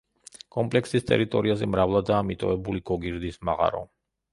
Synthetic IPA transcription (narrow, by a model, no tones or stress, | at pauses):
kʼɔmpʼlɛksist̪ʼɛ̰ɾit̪ʼɔɾiazɛmɾavlˠad̪aːmit̪ʼɔɛbuliɡ̥ɔɡiɾd̪isma̰ʁa̰ɾɔ̰